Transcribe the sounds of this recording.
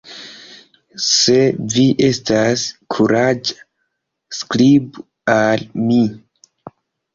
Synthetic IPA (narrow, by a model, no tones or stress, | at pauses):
se̞viʔe̞staskʰuɾad͡ʒ | sklib | almi